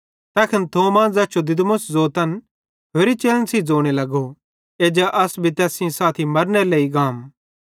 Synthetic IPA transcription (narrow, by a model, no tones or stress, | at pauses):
t̪ɛːkʰɐnt̪ʰoːmaːnzɐːt͡ʃʰod̪ɪd̪mʊszoːt̪ɐn | ɦeɾit͡ʃeːlənsid͡zoːɽ̃elɐɡo | eːd͡ʒaʔɐsbʱit̪ɛːsĩsaːt̪ʰimɐɾnɛleːiɡaːm